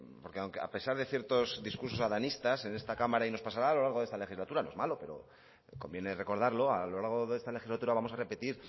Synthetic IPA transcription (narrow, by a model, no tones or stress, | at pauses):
po̞ɾkeawŋkea̰pe̞saɾðe̞θje̞ɾt̪o̞zðiskuɾso̞saðanist̪ase̞ne̞st̪akamaɾaino̞spasaɾaːlo̞laɾɣoest̪ale̞xizlat̪uɾanoe̞zmalo̞pe̞ɾo̞̰ | ko̞mbje̞ne̞re̞ko̞ɾð̞aɾlo̞alo̞laɾɣ̞o̞ðest̪ale̞xizlat̪uɾaβamo̞sare̞pe̞t̪iɾ